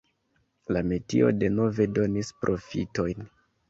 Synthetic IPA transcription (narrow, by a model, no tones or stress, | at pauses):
lame̞tḭo̞̰de̞no̞ve̞do̞nispɾʔo̞fḭto̞jn